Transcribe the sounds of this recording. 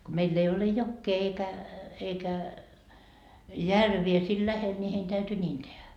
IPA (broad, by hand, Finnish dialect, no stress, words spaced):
ko meilː ei ole jokːeː eikæ eikæ jærʋie siːl læhel nʲi hein tæyty nʲiːn tehæ